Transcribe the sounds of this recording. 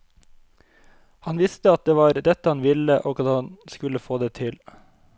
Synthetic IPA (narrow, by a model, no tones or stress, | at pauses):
hɑnʋɪst̪əɑt̪̚d̪eːʋɑːɾd̪ɛt̪əhɑnʋɪləʔoːɡɑt̪hɑnskʉləfoːd̪eːt̪ʰɪl